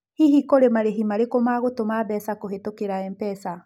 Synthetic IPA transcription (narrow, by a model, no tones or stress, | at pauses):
hiɦikoɾemaɾeɦimaɾekomaɣotomabɛsakoɦetokeɾaɛmpɛsa